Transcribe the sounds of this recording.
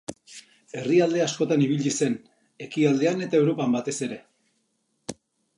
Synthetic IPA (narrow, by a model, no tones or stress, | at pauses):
e̞riald̪easko̞t̪aniβ̞iʎise̞n | e̞kiald̪e̞ane̞t̪ae̞wɾo̞pambat̪e̞se̞ɾe̞